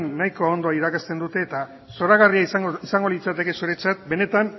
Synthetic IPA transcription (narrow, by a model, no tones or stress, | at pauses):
nːajko̞ːnd̪o̞aiɾakast̪e̞nd̪ut̪e̞ːt̪a | so̞ɾaɣariaisaŋɡo̞lit͡sat̪e̞ke̞suɾe̞t͡sat̪̚be̞ne̞t̪an